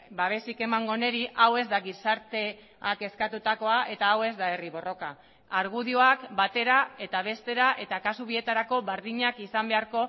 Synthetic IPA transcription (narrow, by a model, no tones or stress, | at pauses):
baβ̞e̞sike̞maŋɡo̞neɾiʔawe̞zd̪aɣisaɾt̪e̞ | ake̞skat̪ut̪ako̞aʔe̞t̪aːwe̞zd̪ae̞riβo̞ro̞ka | aɾɣuðio̞akbat̪e̞ɾae̞t̪aβe̞st̪e̞ɾaʔe̞t̪akasuβ̞ie̞t̪aɾako̞βeɾðiɲakisambe̞aɾko̞